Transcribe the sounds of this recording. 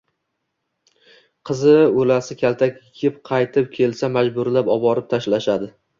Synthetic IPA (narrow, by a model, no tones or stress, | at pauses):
qʰɨzɪolasɪkʲʰalt̪ʰakʲɪɡʲɪp̚qʰɑjt̪ʰɪp̚kʲʰe̞lsamad͡ʒbʊɾlapɒbɒɾɪp̚t̪ʰaʃlaʃad̪ɪ